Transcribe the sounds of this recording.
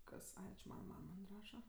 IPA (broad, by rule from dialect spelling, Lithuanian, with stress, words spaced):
ˈkɐs ˈɐɪ t͡ʃʲɪ ˈmɑːnɐ ˈmɐm mɐnʲ ˈrɑːʃɐ